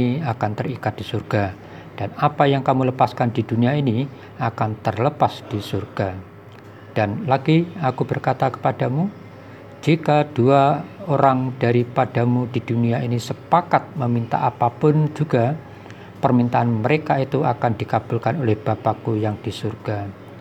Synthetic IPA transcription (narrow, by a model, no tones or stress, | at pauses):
iakant̪ərikat̪̚d̥isurɡ̥a | d̥anapajaŋkamuləpaskandiduniaini | akant̪ərləpasd̥isurɡ̥a | d̥anlaɡiakubərkat̪akə̥pad̥amu | d͡ʒikad̥uaoɾaŋd̥aɾipadamudiduniainisəpakat̪̚məmint̪a̰ʔapapʊnd͡ʒuɡa | pərmint̪aːnməɾekait̪uakandikab̥ulkanolɛhb̥apakujaŋd̥isurɡ̥a